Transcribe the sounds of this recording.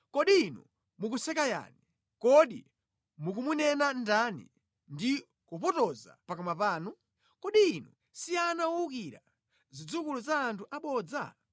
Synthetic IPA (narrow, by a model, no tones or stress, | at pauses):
kɔɗiːnṵ | muk̬usɛkaja̰ni | kɔɗḭ | muk̬umunɛnandanḭ | ndi | kupɔtɔza̰pakɔmapaːnu | kɔɗiːnṵ | sianawuukiɾa̰ | zid͡zukuluzaːntʰuʔaɓɔd͡za̰